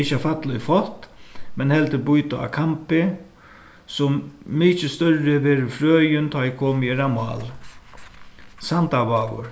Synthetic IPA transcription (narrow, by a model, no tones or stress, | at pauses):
ɪt͡ʃːafat̪lʊjfɔlt̪mɛnhɛlt̪ɪbujt̪ʊa̰kʰampɪ | sʊmːiːt͡ʃɪst̪œɹɪʋɛːɾʏfɾøːjʏnt̪ʰɔjɪkʰoːmjɛɾamɑ̰ːl | sant̪aʋaːʋʊ̰ɾ